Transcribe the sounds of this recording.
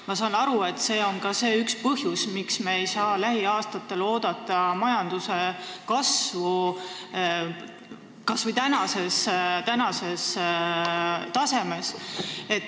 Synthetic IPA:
mɑsɑːnɑɾue̞t̪ːse̞ːo̞nkɑse̞ːykspɤɦjusmiksmeːjsɑːlæɦiɑːst̪ɑt̪ːˑe̞lo̞ːd̪̥ɑt̪ˑːɑmɑjɑnd̪̥use̞kɑsvu | kɑsvujt̪ænɑse̞st̪ænɑse̞s | t̪ɑse̞me̞se̞t̪ː

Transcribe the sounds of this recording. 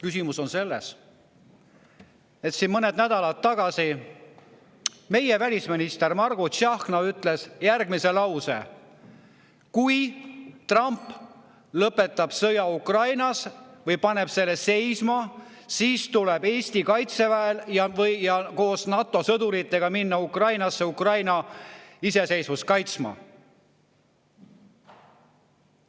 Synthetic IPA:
kysimuso̞nse̞lːes | e̞t̪sinmɤne̞d̪næd̪̥ɑlɑt̪ːɑɡ̥ɑsi | me̞jevælʲisminist̪e̞rmɑrɡ̥uʃɑhxknɑyt̪ˑle̞sjærɡmise̞lɑwsḛ | kujt̪rɑmpː | lɤpːe̞t̪ːˑɑb̥sɤjɑukrɑjnɑsvɤjpɑne̞b̥se̞lːese̞jsmɑ | siːst̪ulebe̞ːsʲt̪ikɑjt̪se̞væeljɑvɤjjɑko̞ːsnɑt̪ːˑo̞sɤd̪uɾit̪ːˑe̞ɡ̥ɑminːɑukrɑjnɑsːe̞ukrɑjnɑise̞se̞jsvuskɑjt̪smɑ̰

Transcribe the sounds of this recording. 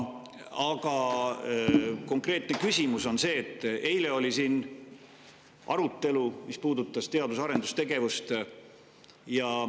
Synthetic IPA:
ɑɡ̥ɑ | ko̞ŋkre̞ːt̪ne̞kysʲimuso̞nse̞ːt̪ːˑe̞jle̞o̞lʲisiːn | ʔɑ̰ɾut̪ːˑe̞lumispuːd̪ut̪ːˑɑst̪e̞ɑd̪usɑɾe̞nd̪u̥st̪e̞ɡe̞vust̪ | jɑ

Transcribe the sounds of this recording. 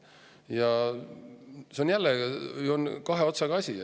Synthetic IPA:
jɑ | seonjælːejonkɑɦe̞o̞t̪sɑɡɑɑsʲi

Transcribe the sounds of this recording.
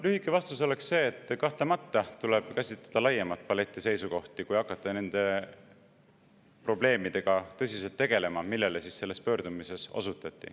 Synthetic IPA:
lyhikːˑe̞vɑst̪uso̞le̞ksse̞ːt̪ːˑkɑht̪lemɑt̪ːɑt̪uleb̥kæsʲit̪lɑ̥d̪̥ɑlɑjːemɑt̪̚ːˑpɑle̞t̪ʲːˑise̞jsuko̞ht̪ikujɑkːˑɑt̪ːˑene̞nd̪̥e̞ | pro̞ble̞ːmid̪̥e̞ɡ̥ɑt̪ɤ̞sʲiselt̪ːe̞ɡ̥e̞le̞mɑmilːe̞lesisse̞lːe̞spø̞ːɾd̪̥umise̞so̞̰sut̪ːˑɑt̪ːˑḭ

